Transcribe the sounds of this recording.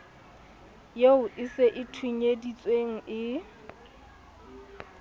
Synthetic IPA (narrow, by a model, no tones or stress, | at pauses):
jeʊʔɪseʔɪtʰuɲedit͡sʼweŋ̩ʔɪ